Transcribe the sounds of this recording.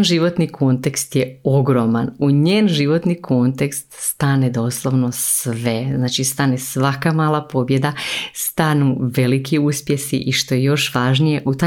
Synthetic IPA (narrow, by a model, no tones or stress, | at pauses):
nʒiʋo̞t̪nikʰo̞nt̪ekst̪jeo̞ɡɾo̞manuɲeːnʒiʋo̞t̪nikʰo̞nt̪e̞kst̪st̪aːne̞d̪o̞ːslˠoʋno̞sʋe̞znaːt͡ʃist̪aːne̞sʋakamaːlˠapo̞bje̞d̪ast̪anuʋe̞likiuspje̞sḭʔiʃt̪o̞jejo̞ʃʋaːʒnije̞ʔut̪a